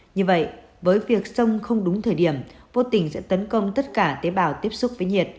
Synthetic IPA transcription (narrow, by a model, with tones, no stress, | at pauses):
ɲɨ˧və̰˧˨j | vəː˨˦jvi˨˩ək̚sə˧wŋ͡mxə˧wŋ͡mɗʊ˨˦ŋ͡mt̪ʰəː˧˩jɗi˧˩əmvo˧t̪ï˧˩ŋ̟sɛ̰˧˥t̪ə˨˦nkə˧wŋ͡mt̪ə˦˥t̚kaː˧˩t̪e˨˦ɓaː˧˩wt̪i˦˥əp̚sʊ˦˥k͡p̚vəː˨˦jɲi˨˩ət̚